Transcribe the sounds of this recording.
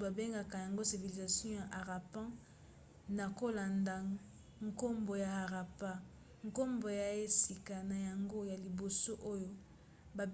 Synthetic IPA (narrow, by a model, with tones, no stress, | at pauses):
ba˨be˦ŋɡa˨ka˨ja˨ŋɡo˦si˨vi˨li˨za˨sjɔ̃˦ja˨ʔa˨ʁa˨pã˦ | na˨ko˦la˨nda˨ | ŋko˦mbo˨ja˨a˨ʁa˨pa˦ | ŋ˨ko˦mbo˨ja˨˦e˦si˨ka˨na˨ja˨ŋɡo˦ja˨li˨bo˨so˦ʔo˦jo˦ | ba˨